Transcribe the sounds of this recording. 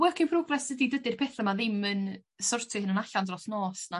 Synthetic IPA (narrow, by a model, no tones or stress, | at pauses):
wɛkʰɪnpʰrɔɡrɛsdədidədɪr̥pʰɛːθəmaðɪmɨn | sɔrtʰʊhənənaɬandrɔθnɔːsna